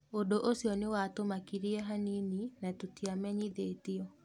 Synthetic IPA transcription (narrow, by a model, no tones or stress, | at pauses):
ondoʔosiɔnewatomakiɾiɛɦanininatotiamɛɲiðeːtiɔ